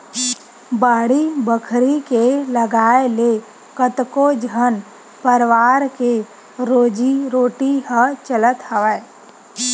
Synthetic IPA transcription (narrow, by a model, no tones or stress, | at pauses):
baːɽibəkʰɾikeləɡaːele | kət̪kod͡ʒən | pəɾʋaːɾke | ɾoːd͡ʒiɾoːʈiɦət͡ʃələt̪ɦəʋə